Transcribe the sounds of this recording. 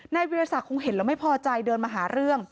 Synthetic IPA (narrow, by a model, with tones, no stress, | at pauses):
na˧jwe˧ɾa˧sa˨˩kʰoː˧ŋɦe˨˩˦nlɛː˧˥wma˥˩jpʰɔː˧t͡ɕa˧jdɤː˧nmaː˧ɦaː˩˦ɾɯ˥˩əŋ